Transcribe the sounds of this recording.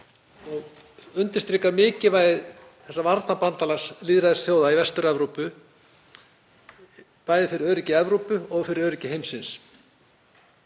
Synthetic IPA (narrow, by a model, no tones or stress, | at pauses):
ɔɣ | ʏnt̪ɪ̥st̪ɾiːkamɪːcɪvaːjðɪð | θɛ̥sːavaɾt̪napant̪alasliːðɾaðɪsθjoːwðaivɛst̪ʏɾɛvɾupʏ | paːjðɪfɪɾɪɾœːɾɪcɪɛvɾupʏɔɣfɪɾɪɾœːɾɪcɪɦejmsɪns